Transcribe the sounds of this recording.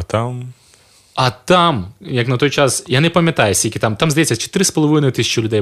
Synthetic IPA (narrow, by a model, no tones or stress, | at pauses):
ɐt̪am | ɐt̪amjɐknɐt̪ɔjt͡ʃasjanɛpɐmʲjɐt̪ɑjɛsʲilʲkʲɪt̪amt̪amzd̪ɐjɛt͡sʲːɐt͡ʃe̥t̪ɪɾɪspɔlˠɔʋɪnɔjʊt̪ɪsʲt͡ʃɔlʲʊd̪ɛj